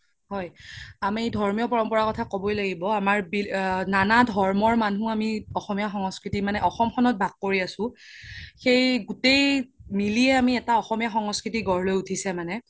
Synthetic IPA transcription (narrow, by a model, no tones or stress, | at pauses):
hɔjamidʱɔɹmijɔpɔɹɔmpɔɹakɔtʰakobɔjlaɡibɔamaɹbinanadʱɔɹmɔɹmanũamiɔxɔmijaxɔŋɔskɹitimanɛʔɔxɔmxɔnɔt̚baɡːoɹiasʊ̃xejɡutejmiliɛamiɛtaɔxɔmijaxɔŋɔskɹitiɡɔɹlojutʰisɛmanɛ